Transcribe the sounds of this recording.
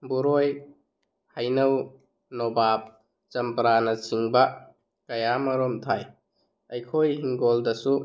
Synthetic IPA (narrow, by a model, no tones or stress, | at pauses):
buɾoj | hajnɐw | nɔbap̚ | t͡ʃɐmpɐɾanɐt͡ʃiŋbɐ | kɐjamɐɾɔmtʰaj | ɐjkʰojhiŋɡoldɐsu